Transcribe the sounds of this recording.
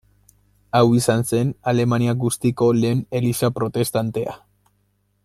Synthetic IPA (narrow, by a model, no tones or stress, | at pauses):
awisanse̞nale̞maniaɡust̪iko̞le̞ːne̞lisapɾo̞t̪e̞st̪ant̪e̞a̰